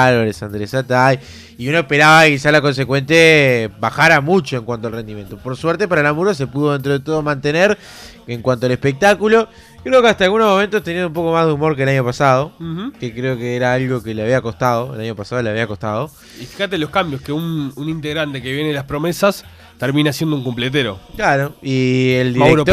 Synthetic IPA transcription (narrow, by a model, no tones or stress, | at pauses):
alβaɾesand̪ɾesat̪aj | iunoe̞hpe̞ɾaβakis̬alako̞ns̬ekwe̞nt̪̬jabaxaɾamut͡ʃo̞eŋkwant̪oalre̞nd̪imjent̪opo̞ɾsweɾt̪epaɾalamuɾas̬e̞puðo̞ðent̪ɾo̞ð̞et̪oð̞omãnt̪eneɾ | eŋkwant̪oale̞hpe̞k̚t̪akulo̞ | kɾe̞okeat̪alɣuno̞ɦmo̞ment̪ost̪enĩnũmp̬o̞ko̞maɦðeumo̞ɾkelaɲo̞pasað̞o̞kekɾeokeeɾaalɣo̞keleaβ̞iako̞st̪aðo̞ḛlaɲo̞pasaðo̞leaβiako̞st̪að̞o̞ | ifi̥xat̪elo̞hkambjoskeununint̪eɣɾant̪ekeβjenelapɾo̞mesas | t̪eɾmĩneasjend̪ouŋkumplet̪̬eɾo̰klaɾoield̪iɾekɾoto